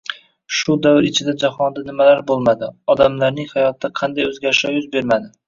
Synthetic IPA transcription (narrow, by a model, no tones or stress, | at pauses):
ʃʊd̪avɾɪt͡ʃʰɪd̪ad͡ʒahɒnd̪anɪmalaɾbolˠmad̪ɪɒd̪amlaɾnɪŋhajɒt̪̚ʰːaqʰɑnd̪ajɵzɡʲaɾɪʃɒjʊzbe̞ɾmad̪ɪ